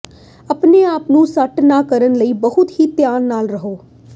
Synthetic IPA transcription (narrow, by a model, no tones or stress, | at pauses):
əpneːaːpnũːsəʈnaːkəɾənləiːbəɦʊt̪ɦiːt̪jaːnːaːlɾəɦoː